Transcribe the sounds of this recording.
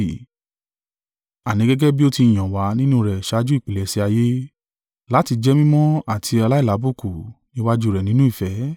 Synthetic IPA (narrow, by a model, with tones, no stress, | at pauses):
a˨nĩ˨˦ɡɛ˦ɡɛ˦bi˦o˦ti˧i˨j̃ã˨wa˨˦nĩ˦nũ˦ɾɛ˨ʃa˨˧˦d͡ʒu˦i˦˨k͡pi˨lɛ˨si˧a˧je˦ | la˦ti˧d͡ʒɛ˦mĩ˦mɔ̃˦a˦˨tʰi˧a˧la˦i˦˨la˨˦bu˦˨ku˨nĩ˦wa˦d͡ʒu˦ɾɛ˨nĩ˦nũ˦i˦˨fɛ˨˦